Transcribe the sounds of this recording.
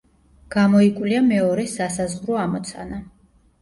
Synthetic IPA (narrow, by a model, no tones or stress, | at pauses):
ɡ̥amɔikʼwliamɛɔɾɛsasazʁɾɔamɔt̪sʰa̰na